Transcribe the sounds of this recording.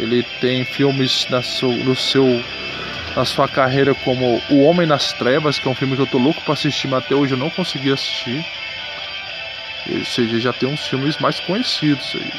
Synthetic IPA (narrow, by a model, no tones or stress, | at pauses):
ḛlɪt̪ẽj̃fiwmɪznɐsewnʊsew | nɐsuɐkaɦejɾɐkõmʊʊõmẽj̃nɐst̪ɾɛvɐskɛɛũfilmɪkɪewt̪olokʊ̥pɾɐasist͡ʃim̃at̪ɛoʒɪewnɐ̃w̃kõsɪɡiasi̥st͡ʃi | ḛoseʒɐeʒat̪ẽj̃ũsfiwmɪzmajskõjesid̪ʊz̥a̰ḭ